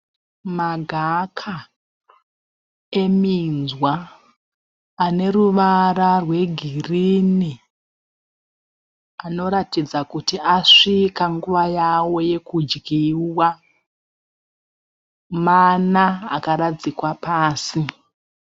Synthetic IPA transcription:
maɡʱakʰa | e̞minzwa | ne̞ɾuʋaɾarwe̞ɡʱirini | ano̞ɾatid͡zakutiaʂikaŋɡuʋajawo̞je̞kud͡ʒɡiwa | mana̰ːkaɾad͡zikwapaːsi

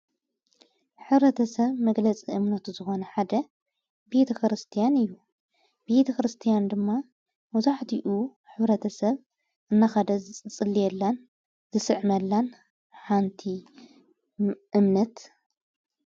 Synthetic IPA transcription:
ħɨβɾɐt̪ʰɐsɐβmɐɡlɐt͡sʼiʔɨmnɐt̪uzɨxo̞nɐħad̪ɐ | be̞t̪ʰɐkɾɨst̪ʰijanɨjːu | b̥e̞t̪ʰɐkɾɨst̪ʰijand̪ɨmːa | mɐzaħt̪ʰiʔu | ħɨβɾɐt̪ʰɐsɐβ | ʔɨnːaxɐd̪ɐt͡sʼɨlːijɛlːɐn | z̥ɨsɨʕmɐlːan | ħant̪ʰi | ʔɨmnɐt̪

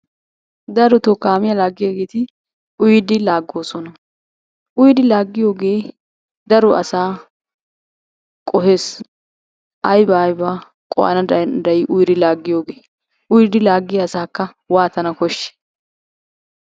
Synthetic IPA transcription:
d̪ɐɾɔt̪ɔkːaːmɪjɐlaːɡːɪjaɡe̞ːt̪ɪ | ʔʊjd̪ɪlaːɡːo̞ːsɔnɐ | ʔʊjd̪ɪlaːɡːɪjo̞ːɡe̞ː | d̪ɐɾɔʔɐsaː | kʼɔhe̞ːs | ʔɐjbɐjbaː | kʼɔ̰ʔa̰nɐd̪ɐd̪ɐjɪʔʊjd̪ɪlaːɡːɪjoːɡeː | ʊjɪd̪ɪlaːɡːɪjaːsaːkːɐ | waːt̪ɐnɐkɔʃːɛ̥

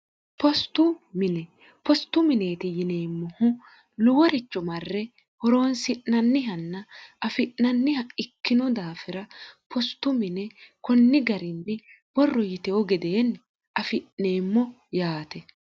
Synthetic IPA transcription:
pɔst̪ːʊmɪnɛ | pɔst̪ːʊmɪne̞ːt̪ɪjɪneːmːɔhʊ | lʊwɔɾɛt͡ʃːɔmɐrːɛ | hɔɾo̞ːnsɪʔːɐnːɪɦɐnːɐɐfɪʔnɐnːɪhɐɪkːɪnɔd̪aːfɪɾɐpʰɔst̪ːʊmɪnɛkɔnːɪɡɐɾɪnːɛ | b̥ɔrːɔjɪt̪ɛɔɡɛd̪eːn | ɐfɪʔneːmːɔ | jaːt̪ɛ

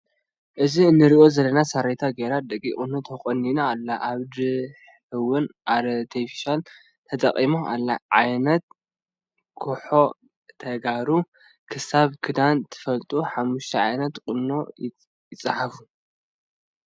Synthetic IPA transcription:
ʔɨziɨnːɨɾiʔo̞zɐlːɐnasɐɾet̪ʰaɡeɾat̪̚d̪ɐkʼːḭkʼɨnːot̪ʰɐxʼɐnːinaːlːaʔaβd̪ɨħ | ɨwɨnʔaɾɐt̪ʰefi̥ʃal | t̪ʰɐt͡s̪ʼɐχʼimoʔalːaʕajnɐt̪̚ | kʰoħo̞ | t̪ʰɐɡaɾu | kʰɨsaβkʰɨd̪ant̪ʰɨ̥fɐlt̪ʼuħamːuʃt̪ʰɐʕajnɐt̪kʼɨnːo̞ | jɪt͡sʼːɨħafu

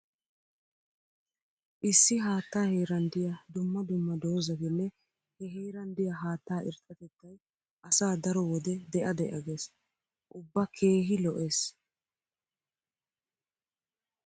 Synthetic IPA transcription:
ʔɪsːɪɦaːt̪ːaːhiːɾɐnd̪ɪjɐd̪ʊmːɐd̪ʊmːɐd̪o̞ːzɐt̪ɪnːɛ | hɛɦiːɾɐnd̪ɪjɐɦaːt̪ːaːʔɪ̰ɾt̪ʼːɐt̪ɛt̪ːɐj | ʔɐsaːd̪ɐɾɔwɔd̪ɛd̪ɛʔɐd̪ɛʔɐɡe̞ːs | ʔʊbːɐkʰe̞ːɦɪlɔʔe̞ːs

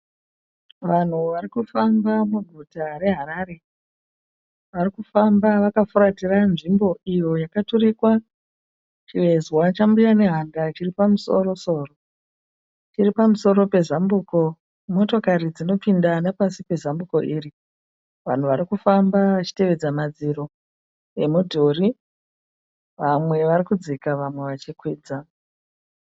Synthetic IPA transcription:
ʋan̤uʋarikufambamuɡʱutare̞ɦaɾaɾe̞ | ʋarikufambaʋakafuɾatiranʐimbo̞ijo̞jakaturikwa | t͡ʃiʋe̞zwat͡ʃambujane̞ɦandat͡ʃiripamuso̞ɾo̞so̞ːro | t͡ʃiripamuso̞ɾo̞pe̞zambuːko̞ | mo̞to̞kaɾid͡zino̞pindanapasipe̞zambuko̞̰ʔiːri | ʋa̰n̤uʋaɾikufambaʋat͡ʃi̥te̞ʋe̞d͡zamad͡ziɾo̞ | e̞mudʱori | ʋamwe̞ʋarikud͡zikaʋamwe̞ʋat͡ʃikwiːd͡za

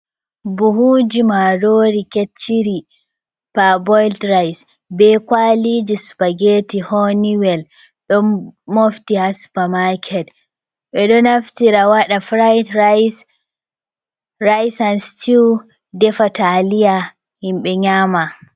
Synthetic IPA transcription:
buɦud͡ʒimaɾoːɾiket͡ʃːiɾi | pabɔjltɾajs | bɛkwalid͡ʒispaɡetihoniwɛl | ɗɔmmoftihaspamakʰɛd | ɓɛɗɔnaftiɾawaɗafɾajt | ɾajsanstiw | dɛfatalija | himɓɛɲama

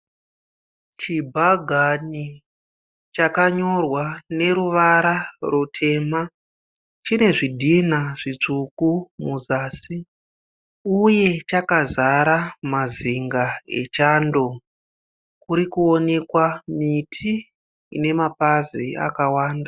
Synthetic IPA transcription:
t͡ʃibʱaɡʱani | t͡ʃakaɲo̞rwane̞ɾuʋaɾarutʰe̞ːma | t͡ʃine̞ʐidʱinaʐ̥it͡ʂukumuzaːsi | uje̞t͡ʃakazaɾamaziŋɡaḛt͡ʃaːndo̞ | kuɾikuo̞ne̞kwamitʰḭː | ne̞mapazḭa̰kawaːnda

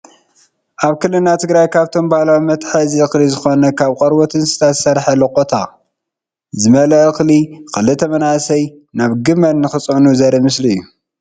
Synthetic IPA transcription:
ʔaβkɨlːɨnat̪ʰɨɡɾajkʰaβt̪ʰo̞mbahalawmɐt̪ħɐziɨxlizɨxo̞nɐkʰaβqʼɐɾwot̪ʰɨnsɨ̥t̪ʰasɐɾħɐlɐkʼot̪ʰa | zɨmɐlɐʔɨxlixɨlɨt̪ʰɐmɐnasɐj | naβɡɨmɐnːɨxɨt͡sʼonuzɐɾɐmɨsliɨjːu

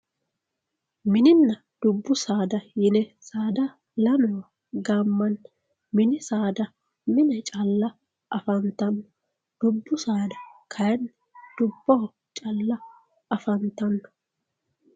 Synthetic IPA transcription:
mɪnɪnːɐ | d̪̥ʊbːʊsaːd̪ɐjɪnɛsaːd̪ɐ | lɐnɔw | ɡamːɐn | mɪnɪsaːd̪ɐ | mɪnɛt͡ʃʼɐlːɐ | ʔɐfɐnt̪ɐnːɔ̥ | d̪̥ʊbːʊsaːd̪ɐkʰɐjɐn | d̪̥ʊbːɔ | t͡ʃʼɐlːɐ | ʔɐfɐnt̪ɐnːɔ̥

